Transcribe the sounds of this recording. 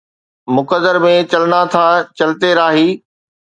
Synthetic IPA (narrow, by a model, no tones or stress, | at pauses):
mʊkəzəɾmẽt͡ɕɐlɪnat̪ʰat͡ɕɐlt̪eɾaːɦiː